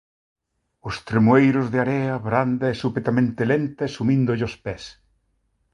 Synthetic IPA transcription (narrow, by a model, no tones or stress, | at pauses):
ʊst̪ɾemuejɾʊzðɪaɾɛɐβɾand̪aesupet̪amẽnt̪elent̪ɐsumĩnd̪ʊʎospɛs